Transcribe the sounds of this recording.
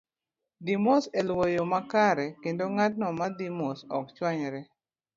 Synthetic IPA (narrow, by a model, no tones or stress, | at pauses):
dimoselwojomakaɾɛkendoŋat̚nɔmadimosɔkt͡ʃwaɲɾɛ